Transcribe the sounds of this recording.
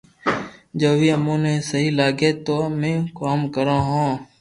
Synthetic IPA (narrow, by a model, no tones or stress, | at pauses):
d͡ʒoːʋiːəmũːnẽːsəɦiːlaːɡeːt̪oːmẽːkaːmkəɾãːɦãː